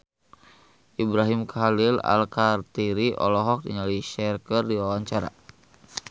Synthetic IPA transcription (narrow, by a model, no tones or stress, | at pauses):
ʔibɾaɦimkʰalila̰lkart̪iɾiʔɔ̰lɔɦɔk̚dḭɲaliʃɛrkərdiwawaɲt͡ʃaɾa̰